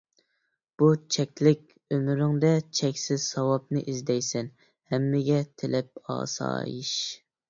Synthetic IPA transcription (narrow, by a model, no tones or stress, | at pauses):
b̥ut͡ʃʰɛkʲlɪkʲ | ømyɾɪŋd̪ɛt͡ʃʰɛkʲsɪzsɑwɑp̚nɨʔizd̪ɛjsɛn | hɛmːɪɡʲɛt̪ʰɪlʔɛp̚ɑ̰ːsɑ̰ːjḭʃ